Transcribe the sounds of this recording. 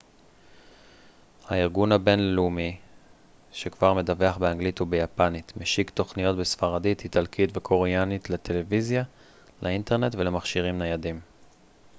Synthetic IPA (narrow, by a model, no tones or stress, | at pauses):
haiʁɡunhabe̞nlelumi | ʃekvaʁme̞dave̞aχbeaŋɡlitubejapanitmeʃikto̞χnijo̞tbesfaʁadithitalkʰitvekʰo̞ʁejanitlete̞le̞vizja | lʔainte̞ʁne̞tvelemaχʃiʁimnajadim